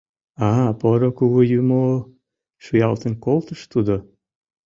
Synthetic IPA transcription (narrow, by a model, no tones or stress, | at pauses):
ɑpoɾokuɣujymo | ʃujɑlt̪ənkolˠt̪əʃt̪ud̪o